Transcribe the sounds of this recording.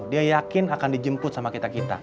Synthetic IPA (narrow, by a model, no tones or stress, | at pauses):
diajakɪnakandid͡ʒəmpʊt̪̚samakit̪akit̪a̰